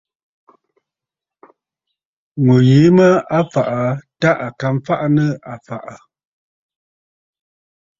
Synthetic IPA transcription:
ŋo˨ji˨˦mə˦a˦fa˨ʔa˨ta˦ʔa˨ka˨mfa˦ʔa˦nə˦a˨fa˨ʔa˨

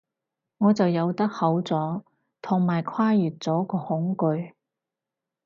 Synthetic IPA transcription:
ŋɔː˨˧t͡sɐ˨wjɐ˨˧wt̪ɐ˥k̚hɐ˨˥wt͡sɔː˨˥ | t̪ʰʊ˨˩ŋmaː˨˩jkʰwaː˥jyː˨t̚t͡sɔː˨˥kɔː˧hʊ˨˥ŋkɵ˧ɥ

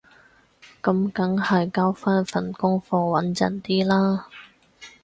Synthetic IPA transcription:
kɐ˧˥mkɐ˨˥ŋhɐ˨jkaː˥wfaː˥nfɐ˨˩nkʊ˥ŋfɔː˧wɐ˨˥nt͡sɐ̰˨˩nt̪iː˥laː˥

